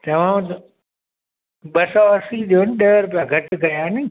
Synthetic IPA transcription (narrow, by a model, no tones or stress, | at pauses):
t̪ɐʋ̤ãt̪ | ɓɐsɔɐsiɗijonɪɗɐɦɾʊp̬ijaɡʱɐʈɪkɐjaːnɪ